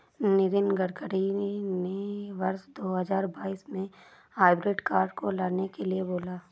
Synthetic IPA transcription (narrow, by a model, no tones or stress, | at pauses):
nɪɾɪnɡəɽkəɽineʋɐɾsd̪oːɦəzaːɾbaːiːsmẽ | haːɪbɾɪɖkaːɾɖkolaːnekelieboːlaː